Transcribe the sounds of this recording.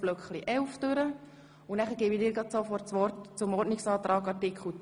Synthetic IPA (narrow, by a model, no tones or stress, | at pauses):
b̥løkχliʔɛlfd̥øɾə | unæχəɾɡɪːbidɪːɾɡ̥ɾɑd̪sofɔtt͡sʋɔrtt͡sʊmɔɾdnɪksɑːt̪ɾʔɑːɡɑrtɪkχl̩ʊ